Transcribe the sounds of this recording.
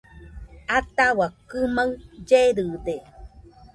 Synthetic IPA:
at̪awakɨmaɰd͡ʒeɾɯde

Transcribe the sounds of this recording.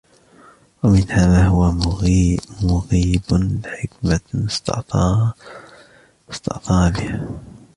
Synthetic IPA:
wamɪnhaːðaːɦʊwa | mʊɣiːblɪħɪkmanst̪ | st̪ɑ̰ʔt̪ˤɑːlɪh

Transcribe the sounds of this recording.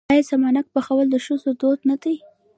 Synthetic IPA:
ajasamɑnak̚pəxawəld̪əʃʊzod̪od̪nad̪aj

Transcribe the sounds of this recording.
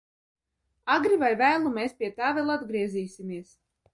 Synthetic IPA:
aɡɾivajvæːlˠumeːspʲiɛt̪aːvɛlˠad̪ɡɾiɛziːsimiɛs

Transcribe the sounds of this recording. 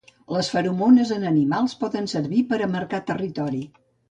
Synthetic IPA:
ləsfəɾumonəzənənimalˠspɔðənsəɾβipəɾəməɾkat̪ərit̪ɔɾi

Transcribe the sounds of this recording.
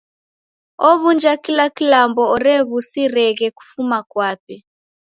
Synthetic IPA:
ɔβund͡ʒakilakilambɔɔɾɛβusiɾɛɣɛku̥fumakwapɛ

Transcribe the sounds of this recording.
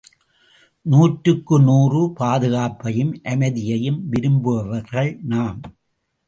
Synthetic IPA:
nuːʈɾɯkːɯnuːrɯpaːðɯɣaːpːɐjɯmʔɐmɐðɪjɐjɯmʋɪɾɯmbɯʋɐʋɐɾɣɐɭnaːm

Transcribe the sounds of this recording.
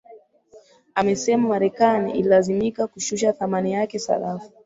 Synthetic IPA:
amɛsɛmamaɾɛkanḭʔḭlilazimikakuʃuʃaθamanijakɛsa̰lafu

